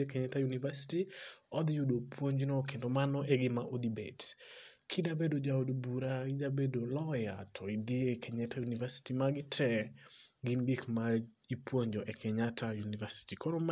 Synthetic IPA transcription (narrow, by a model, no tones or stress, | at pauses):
ekɛɲɛtajunivasi̥tiɔd̪judopʰwoɲd͡ʒinɔkendɔmanɔʔeɡɪmaʔod̪ibɛ̰tkʰidabedod͡ʒaodbuɾaid͡ʒabedolɔjatʰɔidiekʰɛɲɛtajunivasi̥timaɡɪtʰɛ | ɡinɡɪkma | ipwoɲd͡ʒɔʔekʰɛɲatʰajunivasi̥tikʰɔɾɔma